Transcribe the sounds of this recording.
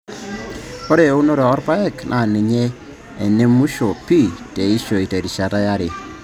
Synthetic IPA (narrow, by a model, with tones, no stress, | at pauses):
kɔ˦ɾe˨˦u˦no˦ɾɔ˨ɔ˦ɾpa˦ɛ˦˨knʔa˨nɪ˨ɲɛ˦ | ɛ˨ne˦mu˦ʃo˨pi˦˨te˨i˦ʃo˨i˨ta˨ɾi˨ʃa˨ta˦ja˦ɾe˨